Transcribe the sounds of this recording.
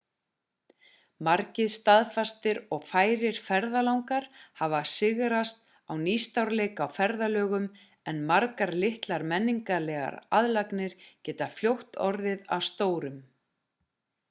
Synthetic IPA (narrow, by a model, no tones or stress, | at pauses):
maɾcɪðst̪aðfast̪ɪɾɔɣfaːjɾɪɾ̥fɛɾðalawŋkaɾ̥havasɪɣɾast̪ | awnist̪awɾleːjkawfɛɾðalœːɣʏm | ɛnmaɾkaɾlɪht̪laɾmɛnːiŋkalɛːɣa̰ɾaðlaknɪɾ̥cɛːt̪afljowht̪ɔɾðɪða̰wst̪oːwɾʏm